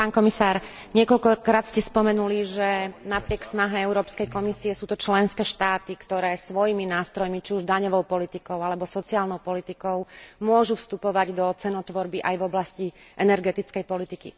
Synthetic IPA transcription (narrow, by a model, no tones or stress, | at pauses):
paːnkɔmisaːɾɲɪɛkɔlkɔkɾaːt̪scɛspɔmɛnuliʒɛnapɾɪɛksnaɦɛɛʊɾɔːpskɛjkɔmisiɛsuːt̪ɔt͡ʃlɛnskɛːʃt̪aːt̪ikt̪ɔɾɛːsʋɔjiminaːst̪ɾɔjmit͡ʃiuʒd̪aɲɔʋɔʊpɔlit̪ikɔʊalɛbɔsɔt͡siaːlnɔʊpɔlit̪ikɔʊmʊɔʒufst̪upɔʋaɟd̪ɔt͡sɛnɔt̪ʋɔɾbiʔajvɔblasciʔɛnɛɾɡɛt̪it͡skɛjpɔlit̪ikḭ